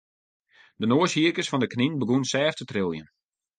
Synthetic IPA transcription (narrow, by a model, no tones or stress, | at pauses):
d̥ənoːəshiərkəsfɔndəkninbəɡunsɛːftətrɪlˠjən